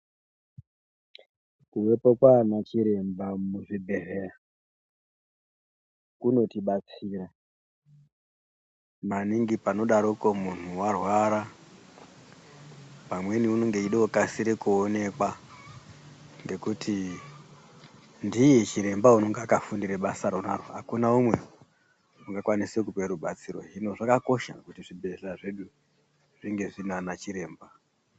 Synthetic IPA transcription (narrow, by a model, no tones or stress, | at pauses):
kuʋe̞pokwanat͡ʃiɾe̞mbamuʐibʱe̞rera | kuno̞tiɓat͡siːɾa | maniŋɡipano̞ɗaɾokomun̤uwarwaɾa | pamwe̞niunoŋɡeiɗookasiɾekuone̞kwa | ŋɡe̞kutʰi | ndijet͡ʃiɾe̞mbauno̞ŋɡakafundiɾeɓasaɾonarwoɦakunaumwe̞̰ | uŋɡakwanisekupeɾuɓat͡siro̞̰ino̞ʐakako̞ʃa̰kutiʐibʱe̞ɮaʐe̞ɗu | ʐiŋɡe̞ʐinanat͡ʃiɾe̞ːmba